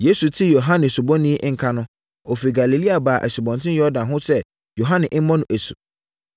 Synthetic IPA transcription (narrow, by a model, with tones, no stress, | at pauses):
je˦su˨tʰi˦jo˨ɦã˦nɪ̃˨su˨bɔ̃˦nĩ˦ʔŋ̩˨kʰa˦nʊ̃˦ | o˨fi˨ɡa˨li˨li˦a˨baː˨ʔæ̰˨si˨bɔ̃˨ntʰɪ̃˦jɔ˦ɾdã˨nɦʊ̃˦sɛ˦ | jo˨ɦã˦nɪ̃˨ʔm̩˦mɔ̃˦nʊ̃˨ʔæ˨su˨